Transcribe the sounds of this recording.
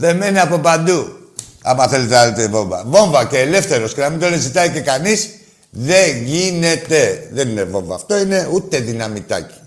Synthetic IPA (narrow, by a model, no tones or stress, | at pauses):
ðe̞me̞neapo̞pand̪u | ɐ̰mɐθe̞let̪elet̪evo̞ɱvɐ̰vo̞ɱvɐce̞ːle̞fθe̞ɾo̞scenɐmind̪onezit̪aice̞kanis | ðe̞ʝine̞t̪eðenine̞vo̞ɱvɐ̰ːft̪o̞ine̞ut̪e̞ðinɐmit̪a̰ci̥